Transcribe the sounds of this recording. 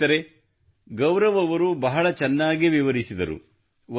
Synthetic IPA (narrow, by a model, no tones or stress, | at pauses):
ɐɾe̞ | ɡɐwɾɐʋɐʋɐɾubɐɦɐɭɐt͡ʃɛnːaːɡiʋiʋɐɾisid̪ɐɾṵ | ʋɐ